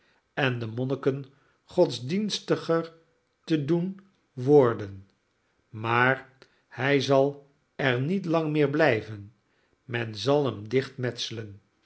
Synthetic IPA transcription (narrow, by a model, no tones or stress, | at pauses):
ɛndəmɔnəkən | χɔtsdinstəχəɹ | tədun | ʋɔɹdən | maːɹ | hɛjzɑlˠ | ɛɹnitlɑŋmɪːɹblɛjvən | mɛnzɑlˠəmdɪχtmɛtsələn